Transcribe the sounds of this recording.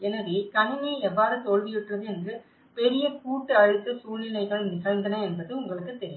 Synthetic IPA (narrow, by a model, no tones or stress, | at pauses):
ɛnːɐʋikɐɳɯniɛʋːaːɾɯt̪oɻʋɪjɪʈːrɐðɯɛndrɯ | pɛɾɪjɐkuːʈːɯɐɻɯt̪ːɯsuːnɪlɐɪɣɐɭnɪɣɐɻnd̪ɐnɐɛnbɐðɯʊŋɡɐɭɯkːɯt̪ːɛɾɪj